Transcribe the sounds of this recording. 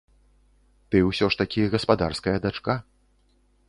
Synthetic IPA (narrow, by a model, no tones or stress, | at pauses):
t̪ɨwsʲɔʂt̪ɐkʲiɣɐspad̪arskɐjɐd̪at͡ʂka